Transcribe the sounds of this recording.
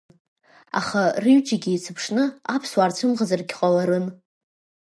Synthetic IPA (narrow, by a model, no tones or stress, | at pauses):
a̰χarɨɥt͡ʃʼaɡʲiːt͡sʰɨpʰʂnɨapʰswart͡sʷʰɨmʁazarɡʲqʼalaɾɨn